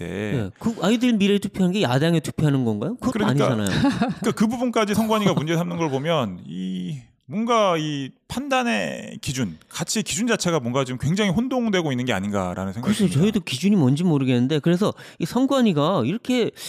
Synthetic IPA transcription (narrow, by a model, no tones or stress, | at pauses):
de̞̰ne̞̰kɯaidɯɭmiɾetʰupʰjoɦanɯnɡe̞jadaŋetʰu̥pʰjoɦanɯnɡʌnɡajokokɯɾʌaɲid͡ʑaana̰joɯk͈akɯbubunk͈ad͡ʑisʰʌŋɡwaɲiɡamund͡ʑe̞sʰamnɯnɡʌɭpomjʌni | mwʌnɡaipʰandane̞kid͡ʑunkat͡ɕʰiekid͡ʑund͡ʑat͡ɕʰe̞ɡamwʌŋɡaomkwe̞ŋd͡ʑaŋiɸondoŋdwe̞ɡoinːɯnɡe̞a̰ɲinɡa̰ɾa̰nɯnsʰeŋkasʰot͡ɕʌidokid͡ʑuɲimʌnd͡ʑimoɾɯɡe̞nːɯnde̞kɯɾe̞s̬ʰʌ | isʰʌŋɡwaɲiɡaiɾʌkʰe̞